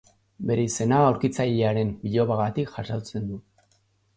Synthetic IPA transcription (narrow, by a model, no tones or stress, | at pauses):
be̞ɾe̞ise̞naːwɾkit͡saʎeaɾe̞mbiʎo̞βaɣat̪ikʝasawt͡se̞nd̪u